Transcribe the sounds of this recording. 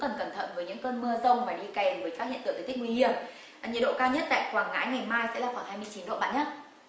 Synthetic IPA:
kə˨˩nk̪ə˨˩nt̪ʰə̰˧˨nvəː˨˦jɲɨ̰˧˥ŋkəː˧nmɨ˧əzə˧wŋ͡mmaː˨˩ɗi˧kɛ˨˩mvəː˨˦jkaː˦˥k̚hḭ˧˨nt̪ɨː˧˨˩t̪ʰk̚ŋwi˧hi˧˩əm˨ | ɲə̰˧˨ɗo̰˧˨kaː˧wɲə˦˥t̚t̪a̰ː˧˨jkwaː˨˧˩ŋŋa̰ː˧˥jŋa˨˩jmaː˧jsɛ̰˧˥laː˨˩xwaː˧˩ŋhaː˧jmɨ˧ət͡ɕi˨˦nɗo̰˧˨ɓa̰ː˧˨nɲa˦

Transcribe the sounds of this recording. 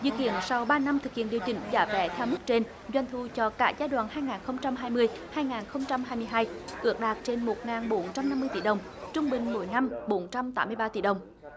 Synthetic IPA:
zɨ̰˧˨kḭ˧˨ənsa˧wɓaː˧na˧mt̪ʰɨ˨˩k̚hḭ˧˨ənɗi˨˩əwt͡ɕï˨˩˦ŋ̟za̰ː˧˩˦vɛ̰˧˦t̪ʰɛ˧wmɨ˦˥k̚t͡ɕe˧n | zwa˧jŋ̟t̪ʰu˧˩t͡ɕɔ˧ka̰ː˧˥zaː˧˦jɗwa̰ː˧˨nɦaː˧jŋaː˨˩nxə˧wŋ͡mt͡ɕa˧mɦaː˧jmɨ˧əj | haː˧jŋaː˨˩nxə˧wŋ͡mt͡ɕa˧mhaː˧jmɨ˧jɦaː˧jʔɨ̰˨˩ək̚ɗaː˨˩k̚t͡ɕe˧nmo˨˩t̚ŋaː˨˩nɓo˨˦nt͡ɕa˧mna˧mːɨ˧əjt̪ḭ˧˩˦ɗə˨˩wŋ͡m | t͡ɕʊ˧ŋ͡mɓï˨˩ŋ̟mo̰˨˦jna˧mɓo˨˦nt͡ɕa˧mt̪aː˨˦mːɨ˧əjɓaː˧t̪i˧˩ɗə˨˩wŋ͡m

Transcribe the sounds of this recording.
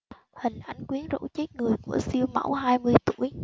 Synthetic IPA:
hï˨˩ŋ̟ʔa˧jŋ̟kwi˨˦ənzo̰˧˥t͡ɕe˦˥t̚ŋɨ˨˩əjku˧˩əsi˧əwma̰˧˥wɦaː˧jmɨ˧əjt̪u˧˩əj

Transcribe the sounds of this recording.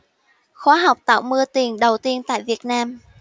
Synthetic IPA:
xwaː˨˧˦ɦa˨˩wk͡p̚t̪a̰ː˧˨˩wmɨ˧ət̪i˨˩ənɗə˨˩wt̪i˧ənt̪a̰ː˧˨jvi˨˩ət̚naː˧m

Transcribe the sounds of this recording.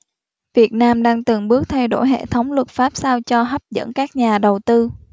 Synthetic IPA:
vi˨˩ət̚naː˧mɗaː˧ŋt̪ɨ˨˩ŋɓɨ˦˥ək̚t̪ʰa˧jɗo̰˧˩jɦḛ˧˨t̪ʰə˨˦wŋ͡mlwə˨˩t̚faː˦˥p̚saː˧wt͡ɕɔ˧ɦa˦˥p̚zə̰˧˥nkaː˦˥k̚ɲaː˨˩ɗə˨˩wt̪ɨ˧

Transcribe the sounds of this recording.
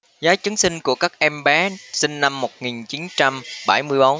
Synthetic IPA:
zaː˨˦jt͡ɕɨ˨˦əŋsï˧ŋ̟ku˧˩əkaː˦˥k̚ʔɛ˧mɓaː˨˦sï˧ŋna˧mːo˨˩t̚ŋi˨˩nt͡ɕi˨˦nt͡ɕa˧mɓa˧˩jmɨ˧əjɓo˨˦n

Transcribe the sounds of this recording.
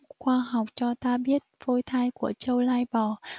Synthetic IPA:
xwaː˧ɦa˨˩wk͡p̚t͡ɕɔ˧t̪aː˧ɓi˦˥ət̚vo˧jt̪ʰaː˧jku˧˩ət͡ɕə˧wlaː˧jɓɔ˨˩

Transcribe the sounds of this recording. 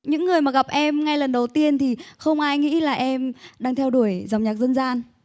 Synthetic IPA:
ɲɨ̰˧˥ŋːɨ˨˩əjmaː˨˩ɣa˨˩p̚ʔɛ˧mŋa˧jlə˨˩nɗə˨˩wt̪i˧ənt̪ʰi˨˩xə˧wŋ͡mʔaː˧jŋḭ˧˥laː˨˩ʔɛ˧mɗaː˧ŋt̪ʰɛ˧wɗu˧˩əjza˨˩wŋ͡mɲaː˨˩k̚zə˧nzaː˧n

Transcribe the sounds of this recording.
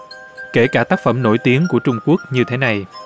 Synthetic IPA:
ke˧˩kaː˧˩t̪aː˦˥k̚fə˧˩mno̰˧˩jt̪i˨˦əŋku˧˩ət͡ɕʊ˧ŋ͡mku˦˥ək̚ɲɨ˧t̪ʰe˨˦na˨˩j

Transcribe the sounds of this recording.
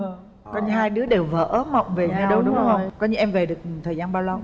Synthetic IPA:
kɔ˧ɲɨ˧haː˧jɗɨ˨˦əɗe˨˩wvə̰ː˧˨˥ʔmə̰˧˨wŋ͡mve˨˩ɲɨ˧ɗə˧wɗʊ˨˦ŋ͡mɗʊ˨˧˦ŋ͡mhə˧wkɔ˧˦ɲɨ˧ʔɛ˧mve˨˩ɗɨ˨˩ək̚t̪ʰəː˨˩jzaː˧nɓaː˧wla˧w

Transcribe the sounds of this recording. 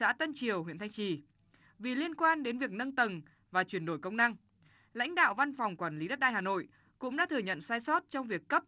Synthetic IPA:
a̰ː˧˥t̪ə˧nt͡ɕi˨˩əwɦwḭ˧˨nt̪ʰjŋt͡ɕi˨˩ | vi˨˩li˧ənkwaː˧nɗe˨˦nvi˨˩ək̚nə˧nt̪ə˨˩n | vaː˨˩t͡ɕwi˧˩ənɗo˧˩jkə˧wŋ͡mna˧ŋ | la̰˧˥jŋ̟ɗa̰ː˧˨wva˧nfɔ˨˩wŋ͡mkwaː˧˩nli˨˦ɗə˦˥t̚ɗaː˧jɦaː˨˩no̰˧˨j | kʊ̰˧˥ŋ͡mɗa̰ː˧˥t̪ʰɨ˨˧˩ɲə̰˧˨nsaː˧jsɔ˦˥t̚t͡ɕɔ˧wŋ͡mvi˨˩əkːə˦˥p̚

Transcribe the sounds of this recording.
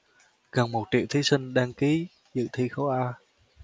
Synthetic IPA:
ɣə˨˩nmo˨˩t̚t͡ɕḭ˧˨wt̪ʰi˨˦sï˧ŋ̟ɗaː˧ŋki˨˦ | zɨ̰˧˨t̪ʰi˧xə˧wʔaː˧

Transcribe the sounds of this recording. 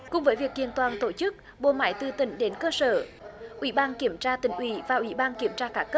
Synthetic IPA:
kʊ̰˧˩ŋ͡mvəː˨˦jvi˨˩ək̚li˧ənt̪waː˨˧nt̪o˧˩t͡ɕɨ˦˥k̚ | ɓo̰˧˨ma̰ː˧˥˦jt̪ɨ˧t̪ï˧˩ŋ̟ɗe˨˦nkəː˧səː˧˩ʔwḭ˧˩˦ɓaː˧nki˧˩əmt͡ɕaː˧t̪ï˧˩ŋ̟ʔwḭ˧˩˦vaː˨˩ʔwḭ˧˩ɓaː˧nki˧˩əmt͡ɕaː˧kaː˧˥kə˦˥p̚

